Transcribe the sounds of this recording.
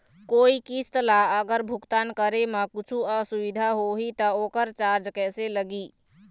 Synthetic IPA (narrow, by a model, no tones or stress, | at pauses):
koːikiːst̪əlaəɡəɾbʱʊkt̪aːnkəɾemãkʊt͡ʃʰuasʊʋɪd̪ʱaɦoɦit̪ɐoːkəɾt͡ʃaːɾd͡ʒkɛːseləɡiː